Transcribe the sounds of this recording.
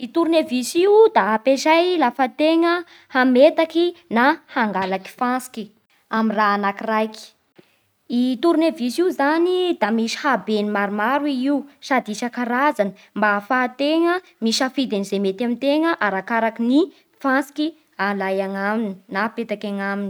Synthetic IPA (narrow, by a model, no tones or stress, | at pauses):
it̪uɾunevisiwd̪aapeʃajlafət̪eŋə | hamet̪akinahaŋɡalaki̥fansi̥ki | amiraanakirajki̥ | it̪uɾunevisiuzanid̪amiʃi̥habenimaɾumaɾwiiwsad̪iʃakaɾazanə | mbafat̪eŋə | miʃafid̪enizemet̪amint̪eŋəʔaɾakaɾakini | fansi̥ki | alajaŋamini̥napet̪akʲaŋamini̥